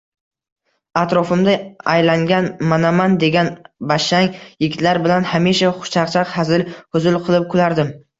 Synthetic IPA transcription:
at̪ɾɒfɪmd̪aajlaŋɡʲanmanamand̪e̞ɡʲanbaʃaŋjɪɡʲɪt̪laɾbɪlanhamiʃaχʊ̥t͡ʃʰɑqt͡ʃʰaqhazɪlhʊzʊlˠqʰɨlˠɪp̚kʰʊlaɾd̪ɪm

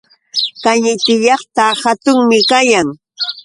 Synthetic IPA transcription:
kaɲɪt̪ɪʎɑχt̪ahat̪ʊŋmɪkajaŋ

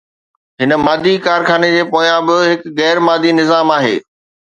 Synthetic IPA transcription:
ɦɪnə̆maːd̪ʱikaːɾxʰaːned͡ʑeːpoːjãbɪɦɪkɣɛːɾmaːd̪ʱinɪzaːmaːɦḛː

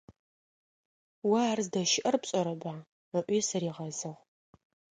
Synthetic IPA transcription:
wɐːrzdɐʃɪʔɐrpɕʼɐɾɐbaː | əʔʷiːsɐɾiːʁɐzɐʁ

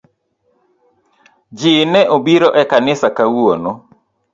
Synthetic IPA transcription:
d͡ʒɪnɛʔobiɾoʔɛkanɪsakawono

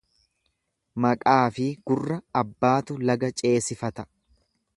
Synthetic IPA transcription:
mɐkʼaːfɪɡ̥ʊrːɐːbːaːt̪ʊlɐɡɐt͡ʃʼe̞ːsɪfɐt̪ɐ

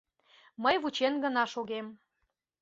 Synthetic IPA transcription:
məjβut͡ɕenɡənɑʃoɣem

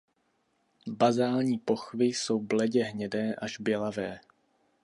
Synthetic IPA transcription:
bazaːlɲiːpo̞xvɪso̞wblɛɟɛɦɲɛdɛːʔaʒbjɛlavɛː

